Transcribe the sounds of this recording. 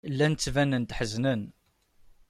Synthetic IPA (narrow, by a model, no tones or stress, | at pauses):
lːænt͡sːvænənt̪ħəznən